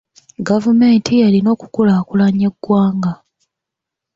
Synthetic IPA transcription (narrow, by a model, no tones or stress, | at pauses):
ɡavume̞ːntʰijalino̞ːku̥kulaːkulaɲeɡwaːŋɡa